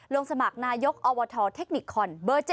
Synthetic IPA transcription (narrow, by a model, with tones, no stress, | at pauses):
lo˧ŋsa˧ma˨˩k̚naː˧jo˦˥k̚ʔɔː˧wɔ˧t̪ʰɔː˧t̪ʰe˦˥k̚ni˨˩kʰːɔ˧nbɤː˧t͡ɕ